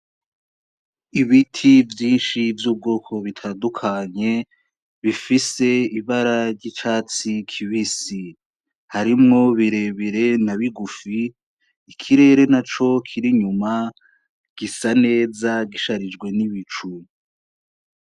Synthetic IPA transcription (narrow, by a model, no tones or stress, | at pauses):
iβitʰivjiːnʃivjuːb̚ɡoːkʰo̞βitʰandukʰaɲe̞ | βifise̞iβaɾaɾɟit͡ʃaːt͡sikʰiβisi | haɾimŋo̞βiɾe̞βiɾe̞naβiɡufiː | kʰiɾe̞ːɾe̞nat͡ʃo̞kʰiɾiɲuma | ɡ̥isane̞ːzaɡiʃaɾid͡ʒɡwe̞niβit͡ʃu